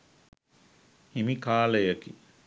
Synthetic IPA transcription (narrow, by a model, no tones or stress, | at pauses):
himikaːləjəki